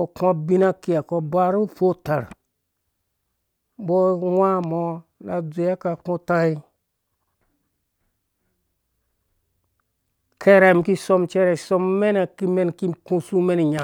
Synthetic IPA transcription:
o˨ka˦bi˦na˦ki˦˨a˨ko˧ba˦ɾu˦fo˦ta̰˨ɾ | bo˦wa˦mo˨na˨d͡zu˨ja˦ka˨kũ˦ta˦i˦ | kʰe˦ɾe˨mki˦so˦mt͡ʃe˦ɾɛ˨so˦mːe˦na˨ki˦me˦nki˦kũ˦su˦me˦n˨ɲa˨

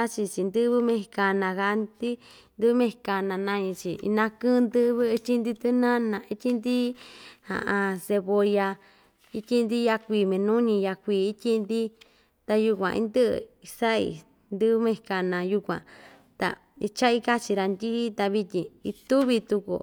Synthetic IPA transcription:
a˦t͡ʃi˧t͡ʃi˧nd̪ɨ˦βɨ˦mẽ˧ka˧nã˧ka˧˦nd̪i˦ | nd̪ɨ˦βɨ˦mẽ˧ka˧nã˧nã˧ɲĩ˧t͡ʃḭ˨˧nã˧kɨ̃˦˧nd̪ɨ˦˧βɨ˦˧t͡ʃʲi˦nd̪i˧t̪ɨ˦nã˦nã˧˨i˦t̪ʲi˦nd̪i˦hã̰˧˨ʔã˧se˧βo˧ja˧ | i˦t̪ʲi˦nd̪i˦ja˧kʷiː˧˨mẽ˧nũ˦ɲĩ˧ja˧kʷiː˧˨i˦t̪ʲi˦nd̪i˦ | t̪a˧ju˧kʷã̰˧ʔḭ˧˦nd̪ɨ˦ʔɨ̰˧˨i˧sa˦ḭ˧˨ | nd̪ɨ˦βɨ˦mẽ˧ka˧nã˧ju˧kʷã̰˨ | t̪a̰˧ | i˧t͡ʃa˦i˦ka˦t͡ʃi˧ɾa˧nd̪i˦t̪a˧βi˧t̪ʲĩ˨i˧t̪u˦βi˧t̪u˧kṵ˨

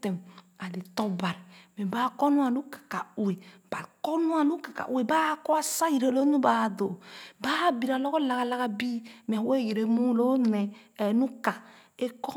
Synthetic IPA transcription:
te˨m | a˨le˨tɔ˦ba˨ɾi˨me˨ba˦ko˦nu˦a˨nu˦kḁ˨ka˨u˨e˨ba˨ko˦nu˦a˨nu˦kḁ˨ka̰˨ʔu˨˦e˨ba˦kɔ˦a˦sa˦ji˨ɾe˨lo˦nu˦ba˨do˨ba˦bi˨ɾa˨lɔ˦ko˦la˨ka˨la˦ka˦bi˦me˨a˨we˦˨je˨ɾe˦mu˦lo˦ne˨ | nu˦ka˨ | e˦kɔ˦

